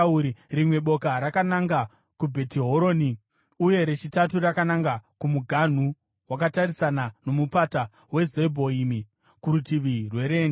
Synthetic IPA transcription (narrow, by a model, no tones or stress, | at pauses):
uirimwe̞ɓo̞kaɾakanaŋɡa | kubʱe̞tiɦo̞ɾo̞ːni | uje̞ɾe̞t͡ʃitaturakanaŋɡakumuɡʱan̤u | wakatarisanano̞mupata | we̞zebʱo̞imi | kuɾutiʋirwe̞ɾeːn